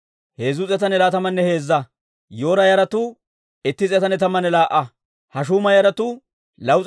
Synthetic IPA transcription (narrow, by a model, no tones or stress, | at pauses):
he̞ːzʊt͡sʼɛt̪ɐnɛlaːt̪ɐmːɐnːɛhe̞ːzːɐ | jo̞ːɾɐjɐɾɐt̪ʊ | ɛt̪ːɪt͡sʼɛt̪ɐnɛt̪ɐmːɐnɛlaːʔːɐ | hɐʃ̬uːmɐjɐɾɐt̪ʊ | lɐwt͡sʼ